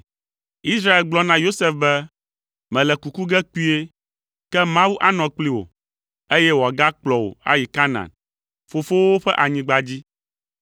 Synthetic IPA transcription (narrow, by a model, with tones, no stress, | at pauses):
i˦sɾa˦e˨lɡ͡blɔ˦nã˦jo˦se˦fbɛ˦ | mɛ̃˨lɛ˨ku˨ku˦ɡɛ˦k͡pi˦e˦ | kɛ˦mã˦wu˦ʔa˦nɔ̃˨k͡pli˦wo̰˨ | e˦jɛ˦wɔ˨a˨ɡa˦k͡plɔ˨wo̰˨a̰˦ji˨ka˦nã̰˨n | fo˨fo˦wo˦ɸɛ˦ʔa˨ɲĩ˦ɡ͡ba˦d͡ʑi˦